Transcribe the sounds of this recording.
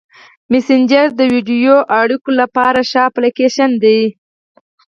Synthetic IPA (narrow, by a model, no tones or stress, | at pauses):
mesɪnd͡ʒaɾd̪əwiɖijoʔaɽikolapɑɾaʃɑplekeʃand̪ej